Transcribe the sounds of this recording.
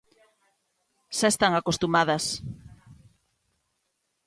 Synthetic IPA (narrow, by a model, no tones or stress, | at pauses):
ʃaest̪aŋakost̪umaðɐs